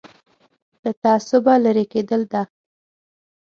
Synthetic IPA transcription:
d̪̥ət̪aːsʊbalaɾeked̪əld̪a

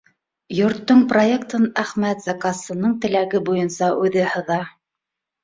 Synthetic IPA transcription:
jŏɾt̪ːoɴproekt̪ɤnæχmæt̪z̥ɑkɑsɤ̆nɤɴt̪ɘ̆læɡɘbujɤnsɑʔʉðɘhɤ̆ðɑ

